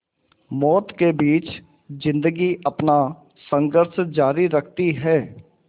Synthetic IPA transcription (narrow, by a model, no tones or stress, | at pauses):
mɔːt̪kebiːt͡ʃ | zɪ̃nd̪əɡiʔəpna | sə̃ŋɡəɾʃd͡ʒaːɾiɾəkʰt̪iɦɛː